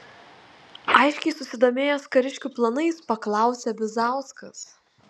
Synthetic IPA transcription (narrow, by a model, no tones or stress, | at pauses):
ɐˑɪʃʲkʲɛɪsʊsʲɪd̪oːmʲeːjɛskɐɾʲɪʃʲkʲuːplˠɐnɐɪspɐklˠɑˑʊsʲɛbʲɪzɑˑʊskɐs